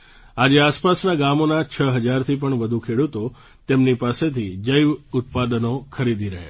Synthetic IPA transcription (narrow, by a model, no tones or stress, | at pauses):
ad͡ʒeaspasnaɡamonat͡ʃʰəɦəd͡ʒaɾt̪ʰip̬əɳʋəd̪ʱukʰeɽut̪o | t̪emnipaset̪ʰid͡ʒəjʋʊt̪̚pad̪nokʰəɾid̪ʱiɾəɦḛ